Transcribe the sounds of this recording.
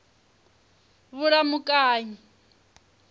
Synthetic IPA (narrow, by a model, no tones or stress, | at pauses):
βuɺamukʼaːɲi